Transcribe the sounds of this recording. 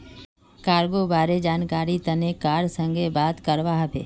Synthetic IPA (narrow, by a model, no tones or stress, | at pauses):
kaːɾɡobaːɾed͡ʒaːnkaːɾit̪ɐnekaːɾsə̃ŋɡʱebaːt̪kəɾʋaːɦbʱḛː